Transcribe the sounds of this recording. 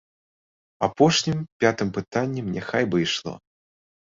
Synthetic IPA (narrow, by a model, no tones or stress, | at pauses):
apɔʂnʲimpʲat̪ɨmpɨt̪anʲːɛmnʲɛxajbɨjʂlˠɔ̰